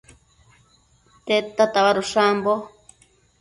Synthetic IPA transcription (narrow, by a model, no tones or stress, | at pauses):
t̪et̪at̪aβaɾuʃambo